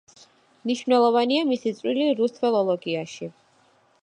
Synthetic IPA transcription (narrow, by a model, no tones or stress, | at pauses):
mniʃvnɛlˠɔvaniamisit̪sʼwiliɾust̪ʰfɛlˠɔlˠɔɡiaʃi